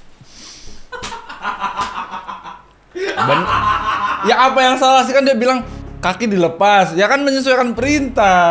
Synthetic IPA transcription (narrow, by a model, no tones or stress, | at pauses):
bən | jaːpajaŋsalas̬ikandiabilaŋkakidiləpasjakanməɲəs̬uajkanpəɾint̪a